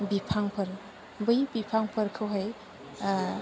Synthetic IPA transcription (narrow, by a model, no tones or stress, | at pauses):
bipʰaŋpʰɐɾ | bɯjbipʰaŋpʰɐɾkʰɯwɦaj